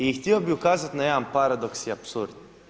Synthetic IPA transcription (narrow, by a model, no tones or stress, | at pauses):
iixt̪jiobiukaːzat̪najɛampaɾad̪oksiapsuɾd̪